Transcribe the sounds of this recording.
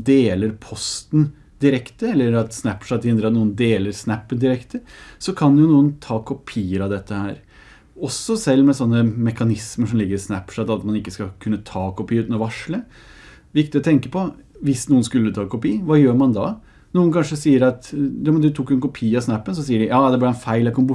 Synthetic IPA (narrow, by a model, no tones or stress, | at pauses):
d̪eːləɾpʰɔst̪n̩ | d̪ɪɾɛkt̪əɛlːəɾɑt̪snæpʂɑt̪d̪ɪɛnd̪ɾɑt̪nuːənd̪eːləɾsnæpːənd̪ɪɾɛkt̪əsɔkʰɑnjʊnuːənt̪ʰɑːkʰʊpʰiːəɾɑd̪ɛt̪ːəhæ̰ːɾ | ɔsɔsɛlːmɛsɔnːəmɛkɑnɪsməʂɔmlɪɡːəɾɪsnæpʂɑt̪ɑt̪mɑnɪkːəskɑkʰʉnːət̪ʰɑːkʰʊpʰiːʉːt̪nɔʋɑʂlə | ʋɪkt̪ɪɔt̪ʰɛŋkəpɔ | ʋɪsnuːənskʉlːət̪ʰɑːkʊpiːənʋɑːjøːɾmɑnd̪ɑ | nuːənkʰɑnʂəsiːəɾɑt̪ɔmd̪ʉt̪ʰʊkːjʊɛnkʊpʰiːɑsnæpːəns̬ɔsiːəɖɪjɑːd̪ɛblɪɾɛnfæɪlɑkʊmb